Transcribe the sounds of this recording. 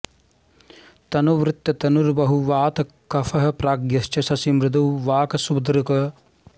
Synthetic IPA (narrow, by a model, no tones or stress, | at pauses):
t̪ɐnuʋɾɪt̪jɐt̪ɐnuɾbɐɦuʋaːt̪ɐ | kɐfɐɦɐ̆pɾaːɡjɐʃt͡ʃɐsɐsimɾɪd̪ɐwʋaːkɐsubd̪ɾukɐ